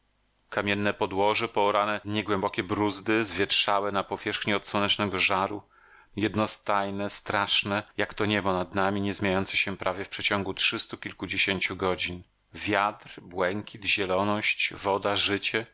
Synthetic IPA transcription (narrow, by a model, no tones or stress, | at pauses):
kamʲjɛnːɛpɔd̪wɔʐɛpɔːɾanɛɲɛɡwɛmbɔkʲɛbɾuzd̪ɘzvʲjɛtʂawɛnapɔvʲjɛʂxɲiɔt̪swɔnɛt͡ʂnɛɡɔʐaɾu | jɛd̪nɔst̪ajnɛst̪ɾaʂnɛjakt̪ɔɲɛbɔnad̪namʲiɲɛzmʲjeajɔnt̪sɛɕɛpɾʔavʲjɛfpʂɛt͡ɕɔŋɡutʂɘst̪ukʲilkud͡ʑeɕeɲt͡ɕuɡɔd͡ʑin | vʲjat̪ɾbwɛŋkʲid̪ʑɛlɔnɔɕt͡ɕvɔd̪aʐɘt͡ɕɛ